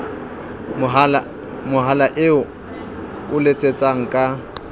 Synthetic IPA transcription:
mʊɦalaʔɪʊ | ʊlet͡sʼet͡sʼaŋ̩kʼa

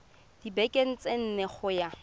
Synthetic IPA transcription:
d̥ibekʼen̩t͡sʼen̩neχʊja

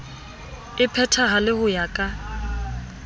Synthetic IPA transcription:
ɪpʰɛtʰaɦalɪhʊjakʼa

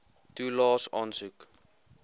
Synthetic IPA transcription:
tuːlɑːsɑnsuk

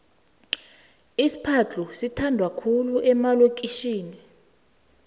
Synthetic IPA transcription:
isi̥pʰat͡ɬusitʰandʱwakʰuluʔɛmalok̬ʼiʃiːni

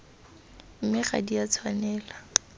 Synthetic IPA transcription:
m̩mɪχa̰diat͡sʰwanɛːla

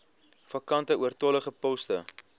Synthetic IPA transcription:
fɐkɐntəuərtɔləχəpɔstə̰

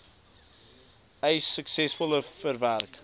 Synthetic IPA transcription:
eɪsəksɛsfəlˠəfəɾvɛɾk

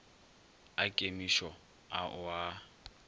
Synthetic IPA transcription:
akʼemiʃɔ | aʔʊa

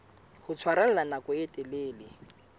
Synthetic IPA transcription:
hʊt͡sʰwaɾal̩lanakʊɛtʼɛleːlɪ

